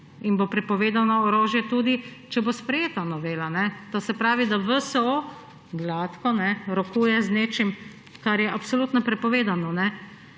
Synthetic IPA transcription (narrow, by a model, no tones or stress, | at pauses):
inbopɾɛpɔʋeːd̪anɔɔɾoːʒjɛt̪uːd̪it͡ʃɛbospɾɛjeːt̪anɔʋeːlanɛt̪oːsɛpɾaːʋid̪aʋəsəo | ɡlaːt̪kɔnɛɾɔkuːjɛzneːt͡ʃim | kaɾjɛʔapsoluːt̪nɔpɾɛpɔʋeːd̪anɔnɛ